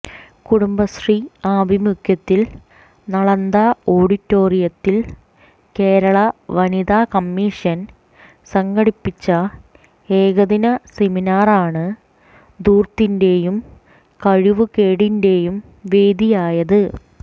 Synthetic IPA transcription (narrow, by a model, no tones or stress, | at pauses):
kuɽumbɐsriaːbʱimukʰjɐt̪ːil | nɐɭɐnd̪aːo̞ːɽitːo̞ːrijɐt̪ːil | ke̞ːɾɐɭɐʋɐniðaːkɐmːiʂɐn | sɐŋɡɐɽipːit͡ɕːɐ | eːɡɐðinɐseminaːraːɳɨ | d̪uːrt̪ːinde̞jum | kɐɻiʋɨkeːɽinde̞ːjum | ʋe̞ːd̪ijaːjɐðɨ